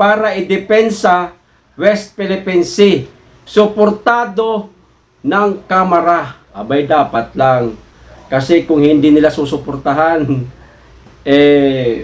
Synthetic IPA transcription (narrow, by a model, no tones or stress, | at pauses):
paːɾaɪd̪ɪpɛnsa | wɛst̪̚pɛlɪpɛnsɪ | sʊpoɾt̪aːd̪o̞ | naŋkamɐɾaʔabajd̪aːpat̪laŋ | kɐsɛkʊŋhɪnd̪ɪnɪlasusʊpoɾt̪aɦan | ʔɛ